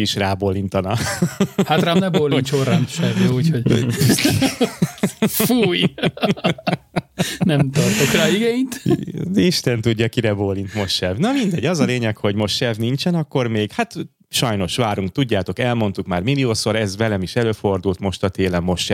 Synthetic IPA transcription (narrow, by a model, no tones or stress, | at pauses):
iʃraːboːlint̪ɒnɒ | hat̪raːmnɛbolint͡ʃoranʃɛvjɛuchoɟ | fuj | nɛmt̪ɒrt̪okraːiɡɛint̪d̪ɛiʃt̪ɛnt̪uɟːɒkiɾɛboːlːint̪mo̞ʃːɛvnɒmind̪ɛɟɒzɒleːɲɛkho̞ɟmo̞ʃːɛvnint͡ʃɛnɒkːo̞rmeːɡhat̪ | ʃɒjno̞ʃʋaːɾuŋk̚t̪uɟːaːt̪o̞kɛlmo̞nt̪ukmaːrmilioːso̞ɾɛzvɛlɛmiʃɛløːfo̞rd̪ult̪mo̞ʃt̪ɒt̪eːlɛmːo̞ʃːɛ